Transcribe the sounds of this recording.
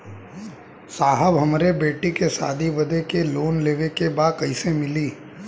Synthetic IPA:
saːɦəbɦɐmɾebeːʈikesaːd̪ʱiʋɐd̪ekeloːnleːʋekebaːd̪̚kɐisemɪliː

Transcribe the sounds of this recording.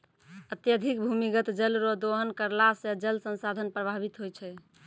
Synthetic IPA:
ət̪jəd̪ʱik̚bʱumiɡət̪d͡ʒəlɾod̪oɦənkəɾlasẽd͡ʒəlsə̃nsad̪ʱənpɾəbʱabit̪ɦojt͡ʃʰɛ

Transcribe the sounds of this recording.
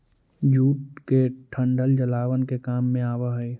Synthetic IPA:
d͡ʒuːʈ̚keʈʰə̃ɳɖʱəld͡ʒəlaːʋənkekaːmːẽaːwaɦɛ

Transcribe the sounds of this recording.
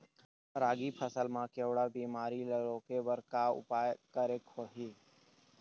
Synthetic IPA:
ɾaːɡipʰəsəlmãkewɽabiːmaːɾiləɾõːkeʋəɾkaʊ̰paːjkəɾekhoɦiː

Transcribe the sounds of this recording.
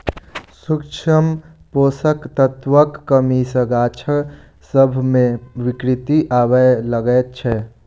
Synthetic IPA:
sukt͡ʃʰəmpoːsəkt̪ət̪wəkːəmisəɡaːt͡ʃʰə | səbʱmẽʋɪkɾɪt̪iʔaːwələɡət͡ʃʰɛ

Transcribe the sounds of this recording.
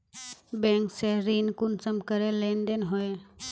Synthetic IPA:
bẽːŋkseɾiːnkʊnsəmkəɾeleːnd̪enɦoe

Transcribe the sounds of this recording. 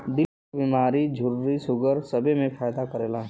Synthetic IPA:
d̪ɪlkabiːmaːɾid͡ʒʱʊɾːisʊɡəɾsɐbemẽfaːjd̪akɐɾeːlaːɦ

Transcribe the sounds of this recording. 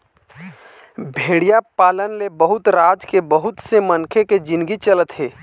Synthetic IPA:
bʱeːɽijapaːlənlebəɦʊt̪ɾaːd͡ʒkebəɦʊt̪semənkʰeked͡ʒɪ̃nd̪ɡit͡ʃələt̪ɦeː

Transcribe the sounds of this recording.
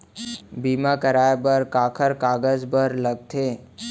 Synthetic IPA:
biːmakəɾaːjbəɾkaːkʰəɾkaːɡəzbəɾləɡ̚t̪ʰeː

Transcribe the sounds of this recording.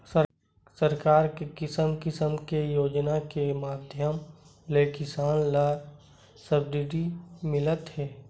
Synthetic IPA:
sə | səɾkaːɾkekɪsəmkɪsəmkejoːd͡ʒnakemaːd̪ʱjəm | leːkɪsaːnla | səb̚d̪ɪɖimɪlət̪ɦɛː

